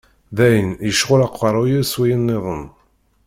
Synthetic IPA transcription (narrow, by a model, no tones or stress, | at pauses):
ðæjənjəʃʁʊlɑqːɑɾˤujiɾswijənːeðˤən